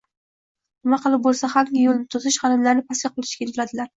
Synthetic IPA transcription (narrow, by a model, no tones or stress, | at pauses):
nɪmaqɨlˠɪp̚bolˠsaχaɾɡʲɪjolˠnɪt̪ʰʊzɪʃχɑnɪmlaɾnɪpʰaskʲaqʰʊlˠɪ̥ʃkʲajlvlad̪ɪlaɾ